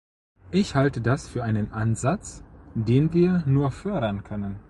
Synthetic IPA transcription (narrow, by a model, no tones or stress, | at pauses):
ʔɪçhaltədasfyːɐʔaɪnənʔanzat͡sdeːnviːɐnuːɐfœɐɾɐnkʰœnən